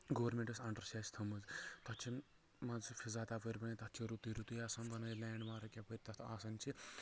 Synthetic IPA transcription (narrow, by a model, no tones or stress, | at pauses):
ɡoʋɐɾmʲẽɳʈɐsɐɳʈɐɾʃaːsʲt̪ʰɐmɐzt̪ɐt͡ʃʰin | mɐzfʰʲizaːt̪aːpɐɾʲbɐnit̪ɐt̪t͡ʃʰiɾut̪iɾut̪ujaːsɐnbɐnɐjlɛːɳɖmaːɾɐkʲapəɾʲt̪ɐt̪ʰaːsɐnt͡ʃʰi